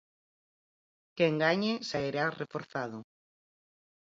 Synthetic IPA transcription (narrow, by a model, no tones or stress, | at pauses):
keŋɡaɲesaeɾarefoɾθaðʊ